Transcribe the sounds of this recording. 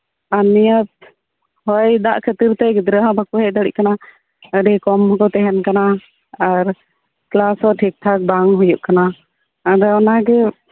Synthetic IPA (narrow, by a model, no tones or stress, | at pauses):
anijət̪̚ | hɔjd̪a̰ʔkʰət̪iɾt̪ɛɡid̪ɾəɦãbʱakuɦɛjd̪aɽḭʔ̚kana | əɖɛkɔmɔkɔt̪ɛɦɛnkanaː | ɾ | klasɔʈʰik̚ʈʰak̚baŋɦujuʔkanaː | ɖɛɔnaɡɛ